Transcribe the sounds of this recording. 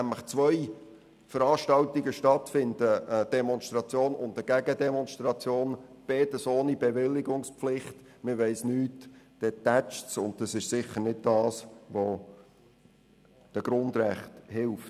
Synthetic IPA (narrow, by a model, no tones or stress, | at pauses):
næmləχt͡sʋœj | fəɾɑːʃtɑltiɡəʃtɑtfɪndəəd̥ɛmɔnstɾɑt͡sjoːnʊntdəɡ̥ɛɡədɛmɔnstɾɑt͡sjoːnb̥eːtəsoːnib̥eʋɪlːɪɡʊŋspflɪχt | mɪʋɛɪsnyːtd̥ɛtæt͡ʃsʊndd̥ɑsɪʃsɪχənɪd̚d̥ɑːsʋo | d̥əɡ̥ɾʊnd̪ɾæχthɪlft